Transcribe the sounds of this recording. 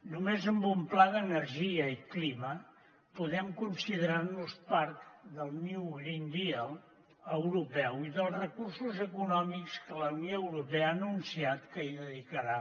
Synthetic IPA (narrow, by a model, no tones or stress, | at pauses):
numezəmbumplaðənəɾʒiəiklimə | puðɛmkunsiðəɾarnuspaɾtd̪əlˠniwɣɾind̪iəlˠ | əwɾupɛwiðəlˠzrəkursuzəkunɔmikskələnjoəwɾupeəaːnunsiat̪kəiðəðikəɾa